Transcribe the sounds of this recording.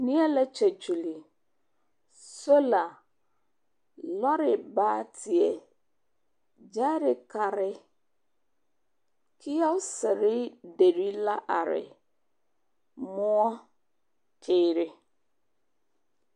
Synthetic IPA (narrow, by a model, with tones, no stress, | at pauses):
nĩ˦ɛ˦la˦t͡ʃæ˨t͡ʃu˨li˨ | so˦la˨ | lɔ˦ɾɪ˨baː˦tʰɪ˨ɛ˨ | d͡ʒa˦ɾɪ˨kʰa˨ɾɪ˦ | kʰi˦ja˦sɪ˨ɾɪ˦de˨ɾi˦la˦ʔa˨ɾɪ̰˨ | mʊ̃˦ɔ˦ | kʰe˨˦˨ɾɪ˦